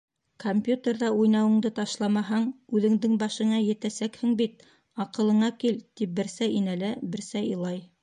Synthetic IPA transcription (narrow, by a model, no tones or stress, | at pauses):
kompʲjut̪ʲerðɑujnɑwɤ̆ɴd̪ɤt̪ɑʃlˠɑmɑɦɑɴʉðɘ̆ŋd̪ɘŋbɑʃɤ̆ɴɑjɘ̆t̪æsækhɘŋbit̪ | ɑqɤ̆lˠɤ̆ɴɑkilt̪ip̚bɘ̆ɾsæʔinælæbɘ̆ɾsæjɤ̆lˠɑj